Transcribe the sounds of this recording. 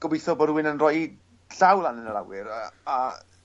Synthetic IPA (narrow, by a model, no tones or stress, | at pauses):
ɡ̥ɔbejθɔbɔdwɪnənrɔji | ɬawlˠanənəɾa̰wɪɾaa